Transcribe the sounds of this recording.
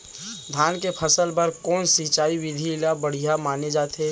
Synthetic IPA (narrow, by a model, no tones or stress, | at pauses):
d̪ʱjaːnkepʰəsəlpəɾkɔːnsiːt͡ʃaːiʋɪd̪ʱilabəɽ̤ijamaːned͡ʒaːt̪ɛː